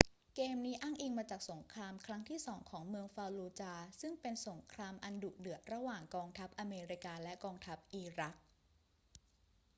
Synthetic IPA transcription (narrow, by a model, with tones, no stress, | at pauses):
keː˧mniː˦˥ʔa˥˩ŋʔiː˧ŋmaː˧t͡ɕaː˨˩k̚so˩˦ŋkʰɾaː˧mkʰɾa˦˥ŋt̪ʰiː˥˩sɔː˩˦ŋkʰɔː˩˦ŋmɯ˧əŋfaː˧wluː˧t͡ɕaː˧sɯ˥˩ŋpe˧nso˩˦ŋkʰɾaː˧mʔa˧ndu˨˩k̚dɯ˨˩ət̪̚ɾa˧waː˨˩ŋkɔː˧ŋt̪ʰa˦˥p̚ʔa˧meː˧ɾi˦˥kaː˧lɛ˦˥ʔkɔː˧ŋt̪ʰa˦˥p̚ʔiː˧ɾa˦˥k̚